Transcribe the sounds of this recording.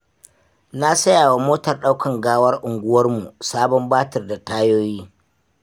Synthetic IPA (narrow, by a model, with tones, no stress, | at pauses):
na˦sɐ˦jaː˨wa˨moː˦tɐ˨rɗa˦wkʰɐ˨ŋɡaː˦wɐ˦rʔʊ˨ŋɡʷʊ˦wɐ˦rmu˨saː˦bɔ˦mbaː˦tɐ˨rda˨taː˦joː˦jiː˦